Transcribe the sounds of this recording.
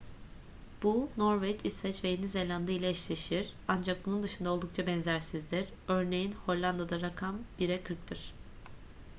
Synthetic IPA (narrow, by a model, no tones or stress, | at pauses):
b̥uno̞ɾvɛt͡ʃisvɛt͡ʃvejinizelʲand̪ajilʲɛɛʃlʲeʃiɾ̥and͡ʒak̚bunund̪ɯʃɯnd̪ao̞lˠd̪ukt͡ʃʰabɛnzæɾsizd̪iɾ̥ | ø̞ɾne̞jinho̞ɾlʲˠand̪ad̪aɾakʰambiɾɛkʰɯɾk̚t̪ʰɯɾ̥